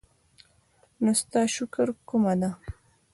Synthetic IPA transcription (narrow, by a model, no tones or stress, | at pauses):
nost̪ɑːʃʊkəɾkumad̪a